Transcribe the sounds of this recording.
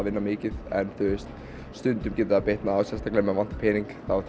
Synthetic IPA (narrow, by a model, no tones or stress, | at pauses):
vɪnːamɪːcɪðɛnθʏst̪ | st̪ʏnt̪ʏmcɛːt̪aapeht̪naːwsjɛst̪ʰaklemɛvan̥t̪pʰɛːniŋkθa